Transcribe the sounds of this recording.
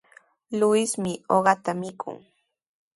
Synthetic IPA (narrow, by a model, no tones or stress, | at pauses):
lʊɪsmɪoɢɑt̪amɪkʰʊ̰ŋ